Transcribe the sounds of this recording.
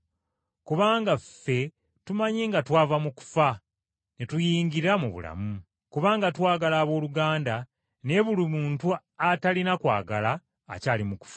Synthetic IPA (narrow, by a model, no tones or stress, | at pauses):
kuβaːŋɡafe̞ | tumaɲeːŋɡatwaːvamuku̥fa | netujiːŋɡiɾamuβṵla̰mu | kuβaːŋɡatwaːɡalaːβo̞ːluɡaːnda | ne̞βulimuːntu | atalinakwa̰ːɡa̰la̰ː | caːlimuku̥fḁ